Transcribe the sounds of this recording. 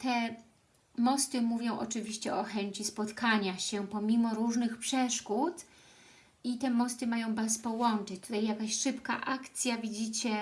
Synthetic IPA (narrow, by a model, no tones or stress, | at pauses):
t̪ɛ | mɔst̪ɘmuvʲjɔ̃w̃ʔɔ̰t͡ʂɘvʲiɕt͡ɕɛʔɔxɛɲt͡ɕispɔt̪kaɲaɕɛpɔmʲimɔɾuʐnɘxpʂɛʂkut̪ | it̪ɛmɔst̪ɘmajɔ̃w̃baspɔwɔnt͡ʂɘt͡ɕt̪ut̪ajːakaɕʂɘpka̰ʔakt̪sʲjavʲid͡ʑit͡ɕɛ